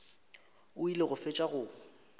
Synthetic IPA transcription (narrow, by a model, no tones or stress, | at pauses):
ʊileɣʊfet͡ʃʼaɣʊː